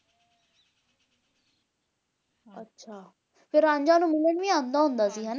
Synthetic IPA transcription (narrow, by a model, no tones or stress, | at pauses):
ətːʃʰaː | pʰɪɾãːɲd͡ʒãːnũːmɪləɳʋĩːãːnd̪aːɦʊ̃nd̪aːsiːɦɛːn